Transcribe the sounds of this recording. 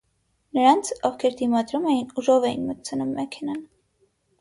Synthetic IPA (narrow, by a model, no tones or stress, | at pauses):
nəɾɑnt͡sʰɔvkʰɛɾd̪imɑd̪ɾumɛjinuʒɔvɛjinmət̪̚t͡sʰənumːɛkʰɛnɑn